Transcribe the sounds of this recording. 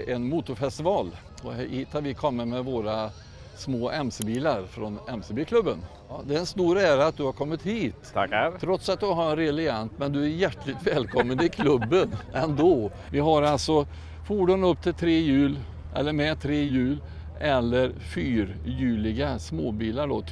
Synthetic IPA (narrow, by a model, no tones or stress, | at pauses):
ɛnmuːt̪ʊɾfɛst̪ɪvɑːl | ɔhɪt̪ʰːaɾvɪkʰɔmːəmɛvoːɾa | smoːʔɛmsəbiːlaɾfɾɔnɛmsɛbiːkʰlɵbːən | d̪ɛɛnst̪uːɾæːɾaat̪̚d̪ɵhaɾkʰɔmːɪt̪hiːt̪ʰɾɔt̪sat̪̚d̪ɵɦaɾɛnɾelɪant̪mɛnd̪ɵæɾjæʈːlɪt̪vɛːlkʰɔmːənɪkʰlɵbːənɛnd̪oː | vɪɦaɾalsɔ | fuːɖʊnɵp̚ːt̪ʰɪlt̪ʰɾeːjʉ̟ːl | ʔɛ̰lːəɾmɛt̪ʰɾeːjʉ̟ːl | ʔɛlːəɾfyːɾjʉːlɪɡasmoːbiːlaɖo̰ː